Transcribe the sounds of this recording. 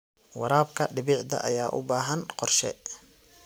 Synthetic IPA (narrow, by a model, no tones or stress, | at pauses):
wɑɾaːb̚kʰɐɖɪβɪʕd̪ɐ̰ʔɐjaːʔʊ̰baːɦɐnqɔrʃɛ̰